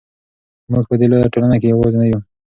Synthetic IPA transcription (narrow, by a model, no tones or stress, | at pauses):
muɡpəd̪elojaʈolanakejawoznaju